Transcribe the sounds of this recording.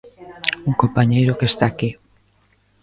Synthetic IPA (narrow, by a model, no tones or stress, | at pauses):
uŋkompaɲejɾokest̪aːki